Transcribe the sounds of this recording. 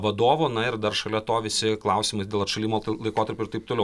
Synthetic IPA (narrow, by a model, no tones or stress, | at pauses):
ʋɐd̪oːʋoːnɐɪɾd̪ɐrʃɐlʲɛt̪oːʋʲɪsʲɪklˠɐʊsʲiːmɐɪsdʲeːlˠɐtʃɐlʲiːmoːlˠɐɪkoːt̪ɐɾʲpʲʊɪɾt̪ɐɪpt̪oːlʲɛʊ